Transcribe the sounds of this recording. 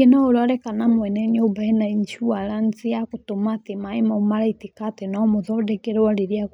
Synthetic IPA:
enaoɾɔɾɛkanamwɛnɛnobaenaiɲt͡ʃuaɾanziakotomatemaemaomaɾaitekatenaɔmoðɔdɛkɛɾɛwaɾeɾiak

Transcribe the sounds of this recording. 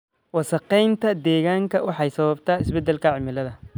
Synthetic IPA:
wɑsɐqɛjnt̪ʰɐd̪ɛːɣaːŋkʰɐwɑħɑjsɐβɐbt̪ʰaːɪsbɛd̪ɛlkʰɐʕɪmɪlɐðɐ

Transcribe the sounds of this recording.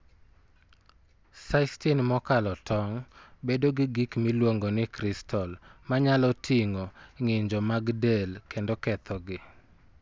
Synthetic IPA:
sastinmɔkalɔtʰɔŋbedoɡɪɡikmɪlwoŋɡonɪkɾɪstʰɔlmaɲalɔtʰɪŋɔŋɪɲd͡ʒɔmaɡdelkendokɛt̪ʰɔɡɪ

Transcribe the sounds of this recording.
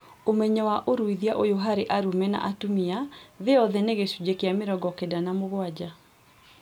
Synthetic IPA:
omɛɲɛwaʔoɾuiðiaʔojoɦaɾeʔaɾumɛna̰ʔatumiaðeɔðɛneɣesud͡ʒekeameɾɔɡɔkedanamoɣwad͡ʑa

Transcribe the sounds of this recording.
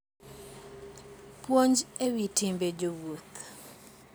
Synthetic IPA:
pwoɲd͡ʒewitimbed͡ʒowot̪

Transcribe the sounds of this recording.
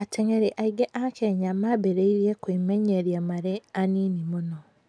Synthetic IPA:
ateŋeɾeʔaiɡeʔakeɲamabeɾeiɾjekwimeɲeɾjamaɾeaniːnimuno

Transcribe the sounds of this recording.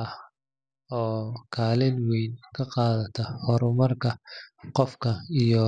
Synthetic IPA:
ɐh | ɔːkʰaːlɪnwɛjnkʰɐqɑːðɐt̪ʰɐhɔɾʊmɐrkʰɐqɔfkʰɐijɔ

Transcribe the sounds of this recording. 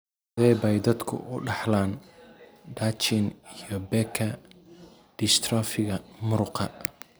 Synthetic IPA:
dðɛːbɐjd̪ɐd̪kʰʊ̰ʔʊɖɑħlaːn | ɖaːt͡ʃɪnijɔbɛːkʰɐ | ɖ̥ɪst̪ʰrɔfɪɣɐmʊɾʊqʰɐ

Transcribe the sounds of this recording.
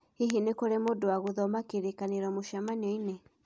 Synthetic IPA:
iɦinekoɾemodowaɣoðɔmakeɾekaneɾɔmoʃamaɲɔine

